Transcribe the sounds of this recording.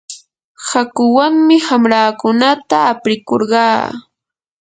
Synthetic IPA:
hakʊwaŋmɪhamɾaːkʊnat̪aːpɾɪkoɾɢɑː

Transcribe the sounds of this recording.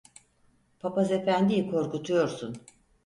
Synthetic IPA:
pʰapaze̞fænd̪ijikʰo̞ɾkut̪ʰujo̞ɾsun

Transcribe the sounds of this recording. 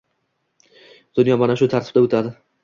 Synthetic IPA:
d̪̥ʊnjɒmanaʃʊt̪ʰaɾt̪ʰɪ̥b̥̚d̪aʊt̪ʰad̪ɪ

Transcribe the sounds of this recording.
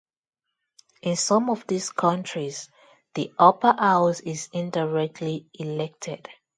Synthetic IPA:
ɪ̃nsɔ̃mɔvðiskʰʌ̃nt͡ʃɹiz | ðiʔʌpəʔaʊzɪzɪ̃ndaɹɛk̚tʰliilɛk̚tʰɛd̥

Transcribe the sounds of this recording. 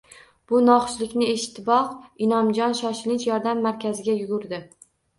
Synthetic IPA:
b̥ʊnɒχʃlɪkʲnɪeʃɪ̥t̪ʰːɪbɒhɪnɒmd͡ʒɒnʃɒʃɪlɪnt͡ʃjɒɾd̪amːaɾkʲʰazɪɡʲajʊɡʊɾd̪ɪ

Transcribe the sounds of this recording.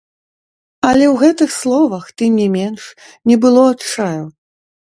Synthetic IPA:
ɐlʲɛwɣɛt̪ɨxslˠɔvɐxt̪ɨmnʲɛmʲɛnʂ | nʲɛbɨlˠɔatt͡ʂaju

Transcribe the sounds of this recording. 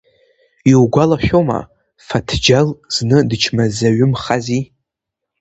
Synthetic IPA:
iwɡʷalaʃʲᶣoma̰ | fatʰd͡ʒalznɨdɨt͡ʃʰmazaɥʊmχazi

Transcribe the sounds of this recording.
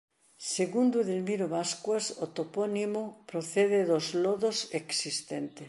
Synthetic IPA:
seɣund̪uðelmiɾoβaskwasot̪oponimopɾoθeðeðozloðoseksist̪ent̪e

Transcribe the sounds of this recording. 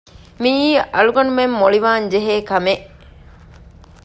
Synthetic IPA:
miiːʔɐɭuɡɐnumemːoɭiʋaːɲd͡ʒeɦeːkɐmeʔ

